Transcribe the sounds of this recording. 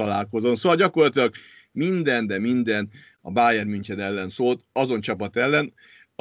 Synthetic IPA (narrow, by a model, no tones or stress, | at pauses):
ɒlaːlko̞zo̞nsoːʋɒlɟɒko̞rlɒt̪ilɒɡ | mind̪ɛnd̪ɛmind̪ɛn | ɒ̰baːjɛrmyɲt͡ʃɛd̪ɛlːɛnsoːlt̪ɒzo̞nt͡ʃɒpɒt̪ɛlːɛn